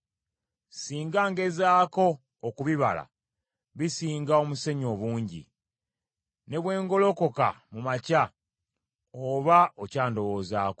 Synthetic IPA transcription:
siːŋɡaːŋɡe̞zaːko̞ː | kuβiβa̰la̰ | βisiːŋɡao̞muse̞ɲo̞βuːɲɟḭ | ne̞βwe̞ːŋɡo̞lo̞ko̞ka̰mumaca | oβaocaːndo̞βo̞ːzaːko

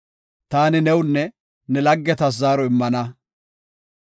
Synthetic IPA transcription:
t̪aːnɪnɛwnːɛ | nɛlɐɡːɛt̪ɐs̬ːaːɾɔɪmːɐnɐ

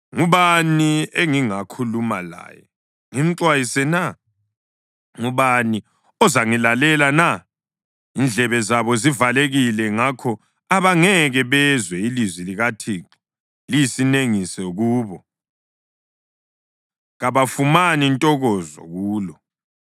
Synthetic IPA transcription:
ŋuβanieŋiŋakʰulumala̰ːjɛ̰ | ŋim̩ǀwajisɛna | ŋuβani | ɔzaŋilalɛlana | ind͡ɮʱɛβɛzaβɔzivaleɣilɛŋakʰɔ | aβaŋɛɣɛβɛzwɛilizwiliɣatʰiːǁi̥ | lijisineŋisɛɣuːβɔ | ɣaβafumanintʼɔɣɔzɔ̰ɣuːlɔ

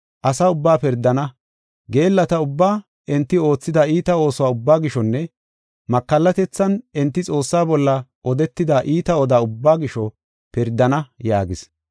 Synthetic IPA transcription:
ʔɐsɐʊbːaːpɪɾd̪ːɐnɐ | ɡe̞ːlːɐt̪ɐʊbːaː | ʔɛnt̪ːɪo̞ːt͡sːɪd̪ɐiːt̪ɐo̞ːsʊwaːʊbːaːɡɪʃɔnːɛ | mɐkːɐlːɐt̪ɛt͡sːɐnɛnt̪ːɪt͡sʼo̞ːsːaːbɔlːɐʔɔd̪ɛt̪ːɪd̪aʔiːt̪ɐɔd̪aːʊbːaːɡɪʃɔ | pɪɾd̪ːɐnɐjaːɡɪs

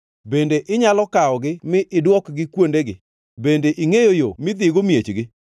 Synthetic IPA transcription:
bendeʔɪɲalɔkaɔɡɪmɪʔɪdwɔkɡɪkwondeɡɪ | bendeʔiŋejojomɪd̪ɪɡomjet͡ʃɡɪ

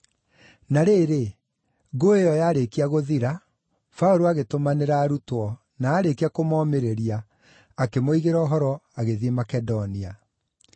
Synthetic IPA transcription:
naɾeːɾe | ɡoejɔjaːɾekiaɣoðiɾa | faoɾoaɣetomaneɾaɾutwɔ | naːɾekiakomɔːmeɾeɾiaː | kemoiɣeɾɔːɦɔɾɔaɣeðiemakɛdɔnia

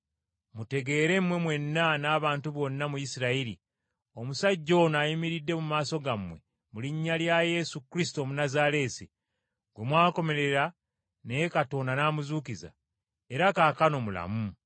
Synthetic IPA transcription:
mute̞ɡe̞ːɾe̞mwe̞mwe̞nːanaːβaːntuβo̞nːamujisiɾaiɾi | o̞musaɟːo̞ːnajimiɾidːe̞mumaːso̞ɡamwe̞̰ | muliɲːaljaje̞sukɾisitomunazaɾe̞ːsi | ɡ̥we̞mwaːko̞me̞ɾe̞ɾa | nejekato̞ːnanaːmuzuːkiza̰ | eɾakaːkano̞mula̰mu

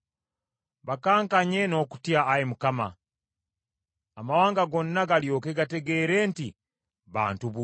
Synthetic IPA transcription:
βakaːŋkaɲeno̞ːku̥tjaːjemukama̰ | amawaːŋɡaɡo̞nːaɡaljo̞ːke̞ɡate̞ɡe̞ɾe̞ːnti | βa̰ːntuβu

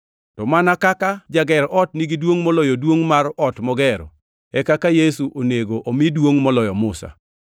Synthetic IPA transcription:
tɔmanakakad͡ʒaɡɛɾʔɔtniɡidwoŋmɔlɔjodwoŋmarɔtmɔɡɛɾɔ̰ | ɛkakajesuʔoneɡoʔomidwoŋmɔlɔjɔmʊsa̰

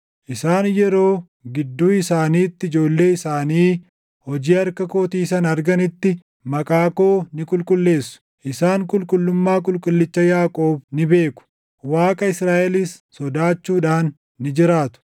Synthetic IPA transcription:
ʔɪsaːnjɛɾo̞ː | ɡɪd̪ːuːɪsaːniːt̪ːɪɪd͡ʒo̞ːlːe̞ːɪsaːniː | hɔd͡ʒiːɐɾkɐko̞ːt̪iːsɐnɐɾɡɐnɪt̪ːɪ | mɐkʼaːko̞ːnɪkʼʊlkʼʊlːe̞ːsːʊ̥ | ʔɪsaːŋkʼʊlkʼʊlːʊmːaːk̬ʼʊlkʼʊlːɪt͡ʃːɐjaːkʼo̞ːbnɪbe̞ːkʊ̥ | waːkʼɐɪsɾaːʔɛliːsːɔd̪aːt͡ʃːuːᶑaːnː | ɪd͡ʒɪɾaːt̪ʊ̥

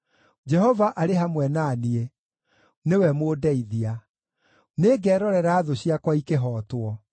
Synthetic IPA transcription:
d͡ʒɛɦɔvaʔaɾeɦamwɛnaːnie | newɛmodɛiðia | neːɡɛːɾɔɾɛɾaːðoɕiakwaikeɦɔːtwɔ

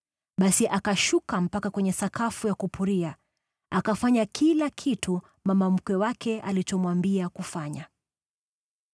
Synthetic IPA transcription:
ɓasiʔakaʃukam̩pakakwɛɲɛsakafujakupuɾia | akafaɲakʰilakʰitʰu | mamam̩kɛwakɛalit͡ʃɔmwambiakufaɲa

